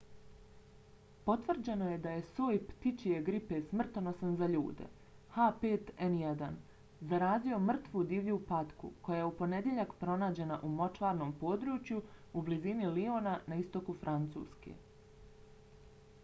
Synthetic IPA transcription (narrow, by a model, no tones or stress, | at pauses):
po̞t̪ʋr̩d͡ʑeno̞jed̪aje̞soːjpt̪it͡ɕie̞ɡɾipe̞smr̩t̪onosanzaʎuːd̪ḛ | hapeːt̪enjed̪an | zaɾaːzio̞mr̩t̪ʋud̪iːʋʎupat̪kṵko̞jajeupo̞ne̞d̪je̞ʎakpɾo̞naːd͡ʑe̞naʔumo̞t͡ʃʋaːɾno̞ːmpo̞ːd̪ɾuːt͡ʃjuublizinilio̞ːnanaist̪o̞kufɾʔant̪sṵːskḛ